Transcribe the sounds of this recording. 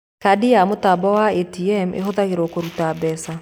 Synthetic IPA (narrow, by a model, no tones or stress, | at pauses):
kadijamotabɔwaetiɛmʔḛɦoðaɣeɾokoɾutabɛsa